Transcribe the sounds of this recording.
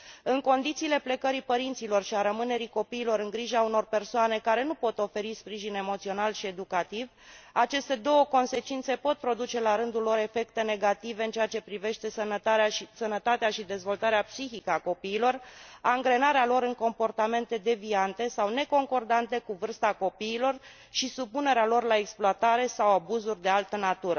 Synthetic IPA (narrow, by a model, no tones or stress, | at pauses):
ɨŋko̞nd̪it̪siːle̞ple̞kəɾipəɾint̪silo̞rʃiaɾəmɨne̞ɾiko̞piːlo̞ɾɨŋɡɾiʒauno̞rpe̞rsoane̞kaɾe̞nupo̞t̪o̞fe̞ɾispɾiʒine̞mo̞t̪sio̞nalʃie̞d̪ukat̪iv | at͡ʃe̞st̪e̞d̪o̞wəko̞nse̞t͡ʃint̪se̞po̞t̪̚pɾo̞d̪ut͡ʃe̞laɾɨnd̪ulːo̞ɾe̞fe̞kt̪e̞ne̞ɡat̪ive̞ɨnt͡ʃeat͡ʃe̞pɾive̞ʃt̪e̞sənəsənət̪at̪eaʃid̪e̞zvo̞lt̪aɾeapsiçikəako̞piːlo̞raŋɡɾe̞naɾealo̞ɾɨŋko̞mpo̞rt̪ame̞nt̪e̞d̪e̞viant̪e̞sawne̞ko̞ŋko̞rd̪ant̪e̞kuvɨrst̪ako̞piːlo̞r | ʃisupune̞ɾealo̞rlaeksploat̪aɾe̞sawabuzurʲd̪e̞alt̪ənat̪uɾə